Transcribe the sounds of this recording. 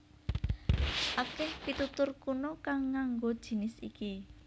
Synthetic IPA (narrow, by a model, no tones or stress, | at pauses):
ʔakɛhpit̪ut̪ʊrkunokaŋːaŋɡod̥ʒ̥i̤nɪsḭki